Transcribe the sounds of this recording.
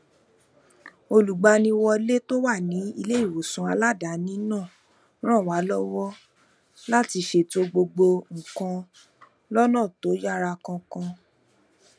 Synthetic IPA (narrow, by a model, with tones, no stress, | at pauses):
o˧lu˨ɡ͡ba˧nĩ˧wɔ˧le˦to˦wa˦˨nĩ˨˦ḭ˧le˦i˦˨wo˨sũ˧˦a˧la˦da˨˦nĩ˦nã˦˨ | ɾ̃ã˦˨wa˨˦lɔ˦wɔ˦ | la˦ti˧ʃe˨to˧˦ɡ͡bo˧ɡ͡bo˧ŋ̩˨kã˧ | lɔ˦nã˦˨to˨˦ja˦˨ɾa˧kã˧kã˧